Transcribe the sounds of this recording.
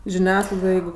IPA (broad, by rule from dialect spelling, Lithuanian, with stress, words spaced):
ʒʲɪˈnʲæːsklˠɐɪdoːj ˈjɛɪɡʊ